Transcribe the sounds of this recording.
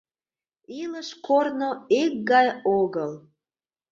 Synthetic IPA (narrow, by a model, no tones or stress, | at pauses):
iləʃkornoek̚ɡɑjoɣəl